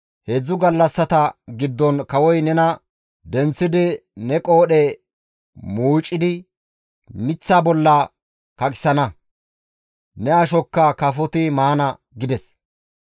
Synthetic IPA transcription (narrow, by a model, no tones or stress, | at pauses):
hed͡zːʊɡɐlːɐsːɐt̪ɐɡɪd̪ːɔnkɐwɔjnɛnɐ | d̪ɛnt͡sːɪd̪ɪnɛkʼo̞ːɗɛ | muːt͡ʃʼːɪd̪ɪ | mɪt͡sːaːbɔlːɐ | kɐkʼɪ̥sɐnɐ | nɛɐʃɔkːɐkɐfɔt̪ɪmaːnɐ | ɡɪd̪ɛs